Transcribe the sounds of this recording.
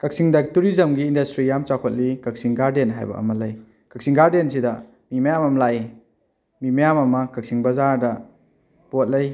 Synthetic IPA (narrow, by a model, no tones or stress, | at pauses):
kɐk̚siŋdɐktuɾizɐmɡiːndɐstɾijamt͡ʃakʰot̚likɐk̚siŋɡaɾdenɦa̰jbɐ̰ʔɐ̰mɐlɐj | kɐk̚siŋɡaɾdensidɐ | mimɐjamɐmlai | mimɐjamɐmɐkɐk̚siŋbɐzaɾdɐ | pot̚lɐj